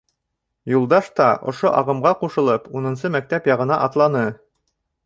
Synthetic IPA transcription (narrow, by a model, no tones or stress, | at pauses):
julˠd̪ɑʃt̪ɑʔŏ̰ʃoʔɑʁɤ̆mʁɑquʃɤ̆lˠɤpunɤ̆nsɤmæk̚t̪æpjɑʁɤ̆nɑʔɑt̪lˠɑnɤ